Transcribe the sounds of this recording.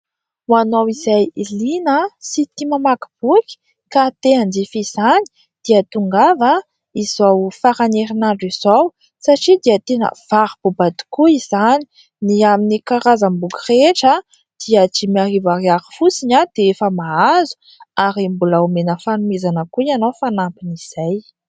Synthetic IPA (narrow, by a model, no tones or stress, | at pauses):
wanowizajilinəsit̪imamakib̥uki̥ | kat̪eand͡zifiz̥ani̥ | d̪̥iət̪uŋɡavə | izawfaɾaneɾinaɳɖ͡ʐiz̥ow | saʈ͡ʂid̪iət̪enə̰v̥aɾb̥ubat̪i̥kuizani̥ | niaminikaɾazambuɡireʈ͡ʂə | d̪̥iət͡ʃimiarivaɾiaɾi̥fusiɲad̪̥eefəmaazu̥ | aɾimbulaumenəfanumezanəkuianofanampiniz̥aj